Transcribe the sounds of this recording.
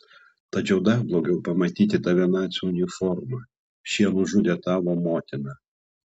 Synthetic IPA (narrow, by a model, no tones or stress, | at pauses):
t̪ɐt͡ʃʲɛʊd̪ɐɾblˠɔːɡʲɛʊpɐmɐt̪ʲiːt̪ʲɪt̪ɐʋʲinɑːt̪sʲunʲɪfɔɾmɐ | ʃʲiɛnʊʒud̪ʲeːt̪ɑːʋomoːt̪ʲɪnɐ